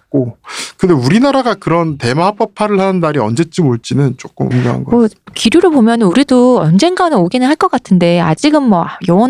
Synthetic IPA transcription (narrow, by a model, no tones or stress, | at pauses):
k͈okɯnde̞uɾinaɾaɡakɯɾʌnte̞map͈ʌpʰaɾɯɭhanɯndaɾiʌ̰nd͡ʑe̞t͡ɕ͈imoɭt͡ɕ͈inɯnt͡ɕ͈ok͈ɯmɯ̰mɲʌ̰ŋa̰nɡʌ̰ʌkiɾjuɾɯbomjʌnɯnuɾidoʌnd͡ʑe̞nɡanɯnoɡinɯnɦaɭk͈ʌk͈atʰɯnde̞a̰d͡ʑiɡɯnmwʌajʌwʌn